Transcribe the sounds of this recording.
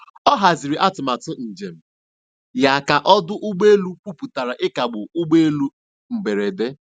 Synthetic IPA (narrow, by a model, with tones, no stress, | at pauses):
ɔ˦ɦa˨zi˨ɾi˨ʔa˦tʊ˨ma˨tʊ˦n̩˨d͡ʒe˨m̩˨ | ja˨ka˨ʔɔ˦dʊ˦ʔʊ˦ɡ͡be˦lu˦k͡pu˦pu˨ta˨ɾa˨ʔɪ˦ka˨ɡ͡bʊ˨ʊ˦ɡ͡be˦e˦lu˦ | ŋ͡m̩˨be˨ɾe˨de˦